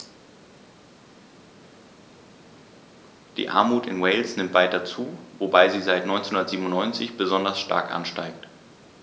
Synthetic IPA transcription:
d̥ḭːʔa̰ɐmuːtɪnwɛɪlsnɪmtv̥aɪt̚d̥at͡suːvobaɪziːzaɪtnɔʏnt͡senhʊndɐtz̥iːbmʊnːɔʏnt͡sɪçb̥əzɔndɐsʃta̰ɐkʔa̰nʃtaɪk̚t

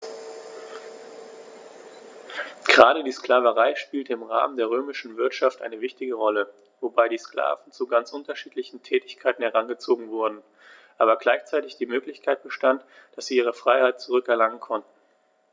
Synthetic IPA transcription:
ɡ̥əʁaːɾədiːskl̥aːvəʁaɪʃpiːltəɪmʁa̰ːməndeːɐʁøːmɪʃn̩vɪɐtʃaftʔa̰ɪnəvɪçtɪɡəʁɔlə | vobaɪdiːskla̰ːvn̩t͡suɡant͡sʔʊntɐʃiːtlɪçn̩tʰɛːtɪçkʰaɪtn̩hɛʁanɡət͡soːɡŋ̩vʊɐdn̩ | ʔaːbɐɡlaɪçt͡saɪtɪçd̥iːmøːklɪçkʰaɪt̚b̥əʃtant | d̥asz̥iːʔiːʁ̞əfʁ̥aɪhaɪt̚t͡suʁ̞ʏkɛɐlaŋənkʰɔntn̩

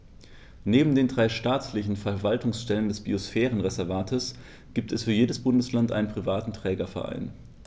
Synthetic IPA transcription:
neːbm̩deːndʁaɪʃtaːt͡slɪçn̩fɛɐvaltʊŋsʃtɛləndɛsb̥iosfɛːʁənʁɛzɛɐvaːtʰəs | ɡ̥iːp̚tʰɛsfyːɐjeːdəsb̥ʊndəslantʔa̰ɪnənpʁ̥ivaːtn̩tʁ̥ɛːɡɐfɛɐʔa̰ɪn

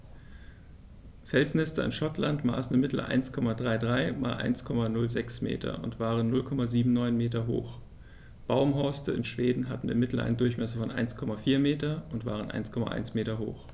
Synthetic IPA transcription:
fɛlsnɛstəɪ̰nʃɔtlantma̰ːsn̩ɪmɪtl̩ʔa̰ɪnskʰɔmadʁaɪdʁaɪma̰ːlʔa̰ɪnskʰɔmanʊlzɛksmḛːtʰɐ̰ʊ̰ntv̥aːʁ̞ənːʊlkʰɔmaziːbm̩nɔʏnmeːtɐɦo̰ːx | b̥aʊmɦɔɐstəɪnʃv̥eːdn̩ɦatn̩ɪ̰mɪtl̩ʔa̰ɪnədʊɐçmɛsəfɔnʔa̰ɪnskʰɔmafiːɐmeːtɐʊntv̥a̰ːʁənʔa̰ɪnskʰɔma̰ʔa̰ɪnsmeːtɐɦo̰ːx

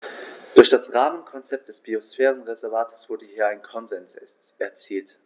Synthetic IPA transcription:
d̥ʊɐçd̥asʁaːmənkʰɔnt͡sɛp̚t̚d̥ɛsb̥iosfɛːʁənʁezɛɐvaːtʰə̥sv̥ʊɐdəhiːɐaɪnkʰɔnzɛns | ɛɐt͡siːlt

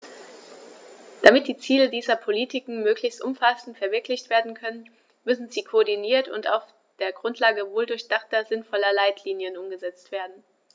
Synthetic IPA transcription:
d̥amɪt̚d̥iːt͡siːlədiːzɐpʰoliːtʰɪkŋ̩møːklɪçstʔʊmfasn̩tfɛɐvɪɐklɪçtv̥eːɐdn̩kʰœnən | mʏsn̩ziːkʰoːɐdiniːɐtʊ̰nta̰ʊf | d̥eːɐɡʁʊntʰlaːɡəvoːldʊɐçd̥aχtɐzɪnfɔlɐlaɪtʰliːnjənʔʊmɡəzɛt͡stv̥eːɐdn̩

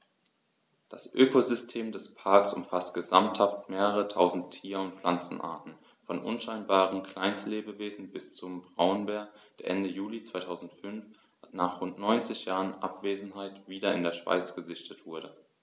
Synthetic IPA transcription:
d̥asʔøːkozʏstʰeːmdɛspʰaɐksʊ̰mfastɡ̥əzamthaftmeːʁəʁətʰaʊzn̩tʰːiːɐʊntp͡flant͡sn̩ʔa̰ːɐtn̩ | fɔnʔʊ̰nʃaɪnbaːʁənkl̥aɪnstleːbəveːzn̩bɪst͡sʊmbʁaʊnbɛːɐkd̥eɐʔɛndəjuːlit͡sv̥aɪtʰaʊzn̩tfʏnf | atnaːχʁʊntnɔʏnt͡sɪçjaːʁənʔa̰pv̥eːzn̩ɦaɪtv̥iːdɐɪ̰ndeːɐʃv̥a̰ɪt͡sɡ̥əzɪçtətv̥ʊɐɾə

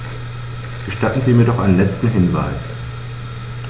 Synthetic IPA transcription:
ɡ̥əʃtatn̩ziːmiːɐdɔχʔaɪnənlɛt͡stn̩ɦɪnva̰ɪs

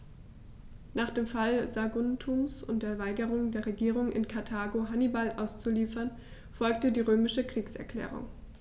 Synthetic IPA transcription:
naːχd̥eːmfalzaɡʊntʰumsʊ̰nt̚d̥eːɐvaɪɡəʁʊŋdeːɐʁeɡiːʁʊŋɪ̰nkʰaɐtʰaːɡoɦanibalʔa̰ʊst͡suliːfɐn | fɔlk̚tədiːʁøːmɪʃəkʁ̥iːksɛ̰ɐkʰl̥ɛ̰ːʁ̞ʊ̰ŋ

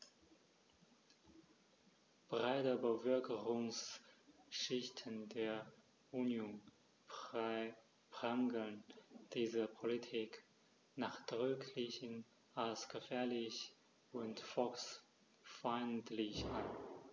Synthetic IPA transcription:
b̥ʁaɪtəbəvœɐkʰəʁʊŋs | ʃɪçtʰəndeːɐ | ʔunjoːn | pʁ̥aŋɡl̩nd̥iːzəpʰolitʰiːk | naːχd̥ʁʏkʰlɪçən | ʔalsɡ̥əfɛːɐlɪç | ʔʊntfɔks | faɪntlɪçʔan

